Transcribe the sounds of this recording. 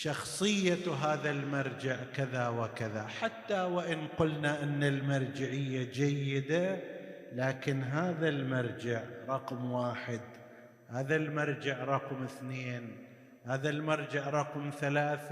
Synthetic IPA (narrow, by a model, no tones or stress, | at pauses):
ʃɑxsˤɨjːaɦaːðalmɑɾˤd͡ʒɪʕkaðawɪkaðaħat̪ːawɪʔɪnqʊlnaʔɪnːalmaɾˤd͡ʒɪʕɪjːad͡ʒajːɪd̪a | laːkɪnɦaːðalmɑɾˤd͡ʒɪʕɾˤɑqmwaːħɪd̪ | haːðalmɑɾˤd͡ʒɪʕɾˤɑqmɪθneːn | haːðalmɑɾˤd͡ʒɪʕɾˤɑqmθalaːθ